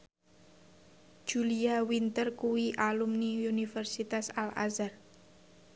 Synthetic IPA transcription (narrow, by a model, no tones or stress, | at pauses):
d̥ʒ̥uliawint̪ərkuwiʔalumniunifɛrsit̪asala̰zar